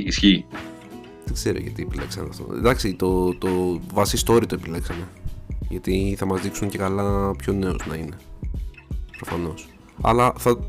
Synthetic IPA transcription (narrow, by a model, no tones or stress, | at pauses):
sçi | ðeɡz̥e̞ɾo̰ʝɐ̰t̪iepile̞̰ksɐnḛɐft̪o̰d̪ɐksit̪o̞t̪ovɐsist̪o̞ɾit̪o̞epile̞ksɐne̞ʝɐt̪iθɐmɐzðiksuɲce̞kɐlɐpço̞ne̞o̰znɐine̞ | pɾo̞fɐno̞s | ɐ̰lɐθɐ